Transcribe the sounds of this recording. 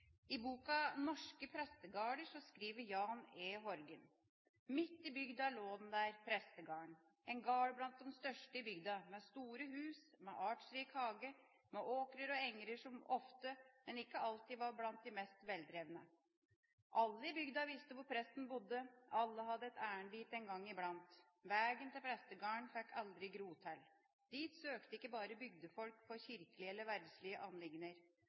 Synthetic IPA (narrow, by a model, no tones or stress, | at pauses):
ɪbuːkɑnɔʂkəpʰɾɛst̪əɡɑːɖəʂɔskɾiːʋəɾjɑːneːɦɔɾɡən | mɪt̪ːɪbʏɡd̪ɑɭoːd̪nd̪æːɾpʰɾɛst̪əɡɑːɳ | ɛnɡɑːɽblɑnt̪̚d̪ɛnst̪œʂʈəɪbʏɡd̪ɑmɛst̪uːɾəɦʉːs | mɛ̰ʔɑːʈʂɾiːkhɑːɡə | mɛʔoːkɾəɾɔɛŋɾəʂɔmɔft̪əmɛnɪkːəɑlt̪iʋɑɾblɑnt̪̚d̪ɪmɛst̪ʋɛld̪ɾeːʋənə | ʔɑlːəɪbʏɡd̪ɑʋɪst̪əʋʊɾpʰɾɛst̪n̩bʊd̪ːəʔɑlːəɦɑd̪ːəɛt̪æːəɳb̪iːt̪ɛnɡɑŋːɪblɑnt̪ | ʋæːɡənt̪ɪlpʰɾɛst̪əɡɑːɳfɛkʰːɑld̪ɾɪɡɾuːt̪ʰæl | d̪̥iːt̪søːkt̪əɪkːəbɑːɾəbʏɡ̚d̪əfɔlkfɔɾçɪɾkəlɪɛlːəɾʋæɾɖ̪slɪəʔɑnlɪŋnəɾ